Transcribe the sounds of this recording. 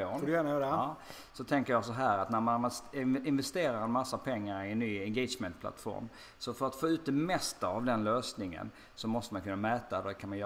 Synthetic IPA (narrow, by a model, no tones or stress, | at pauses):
ɔdjæːnajœːɾ | sɔt̪ʰɛŋkəɾjɑsɔɦæːɾat̪næɾmanɪnvɛst̪eːɾaɾɛnmasːapʰɛŋːaɾɪɛnːyːɛnɡɛsmɛnt̪̚pʰla̰t̪fɔ̰ɾm | sɔfœɾat̪foːʉ̟ːt̪̚d̪ɛmɛst̪aavd̪ɛnløːsnɪŋə̰n | sɔmɔst̪əmankʰɵnːamɛːt̪ad̪ɔd̪ɛkʰanmanj